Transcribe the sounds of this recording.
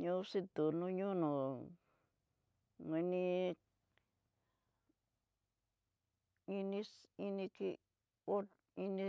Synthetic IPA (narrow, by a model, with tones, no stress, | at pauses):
ɲo˦si˦t̪u˨no˧ɲo˦no˨ | ŋe˧ni˦ | i˧ni˦si˧ni˧ki˦ | o˦ | i˦ni˦